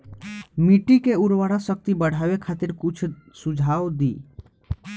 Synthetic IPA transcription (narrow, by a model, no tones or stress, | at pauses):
miʈikeuɾʋaɽasək̚t̪ibəɽ̤aʋekʰat̪ɪɾkʊt͡ʃʰsud͡ʒʱaːwd̪ḭː